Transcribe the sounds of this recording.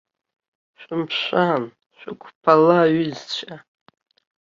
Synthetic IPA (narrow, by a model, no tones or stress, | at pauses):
ʃʷᶣɪmpʰʃʷan | ʃᶣʷakʷʰʼpʰalaːɥʏzt͡ɕʷʰa